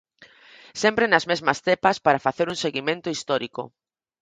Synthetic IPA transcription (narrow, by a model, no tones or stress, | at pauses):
sempɾenɐzmezmɐst̪epɐspaɾɐfaθeɾuŋseɣimẽnt̪ʊist̪ɔɾikʊ̰